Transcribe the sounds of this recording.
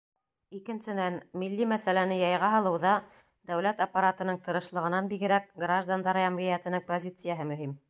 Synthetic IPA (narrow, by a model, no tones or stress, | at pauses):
ikɘ̆nsɘ̆nænmilːimæsælænɘjɑjʁɑɦɤ̆lˠɤ̆wðɑ | d̪̥æwlæt̪ɐpːaɾat̪ɤ̆nɤɴt̪ɤ̆ɾɤ̆ʃlˠɤ̆ʁɤ̆nɑnbiɡɘ̆ɾæk̚ɡraʒd̪and̪ɑɾjæmʁijæt̪ɘ̆nɤŋpozʲit̪sɨjaɦɤmɵ̆ɦim